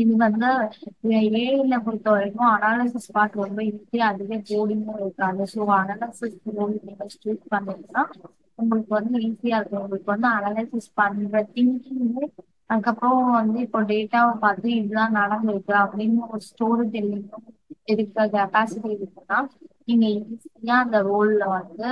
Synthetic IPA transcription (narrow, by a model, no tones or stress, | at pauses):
ɪðikʋɐnd̪ɯ | eːɪlːɐʊŋɡɐɭɯkːɐɪɾɪkːʊ̃ɐnaːlɐɪsɪspaːʈːɾɔmb̪ɐɪɾɯt̪ːɯɐðɪɣɐboːɽɪnʊ̃ɪɾɯkːaːðɐsoːɐnaːlɐɪsɪsɾoːɽinɪŋɐsʈuːspɐɳːɪʈːɐnãː | ʊŋɡɐɭɯkːɯʋɐnd̪ɯiːsiaːɪɾɯkːɐ̃ʊŋɡɐɭɯkːɯʋɐnd̪ɯɐnaːlɐɪsɪspɐɳːɪɾɐt̪ɪŋkiŋðɯ | ɐðɯkːɐpːɾoːʋɐnd̪ɯɪpːoːɖeːʈːaːpɐðɯɪðɯt̪ãːnɐɽɐnd̪ɯʋɐɪkːɯɐpːɐɽinnɐɔɾɯsʈoːɾʈ̪ɛlːɪɯ̃m | ɪɾɯkːɐkɛpaːsɪʈiɪɾɯkːɐnãːniːŋɡɐɪɡisɐjaːɐnd̪ɐɾoːllɐʋɐnd̪ɯ